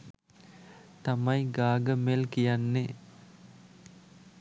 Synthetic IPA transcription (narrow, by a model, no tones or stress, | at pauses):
t̪ɐmɐjɡaːɡəmelkijanːe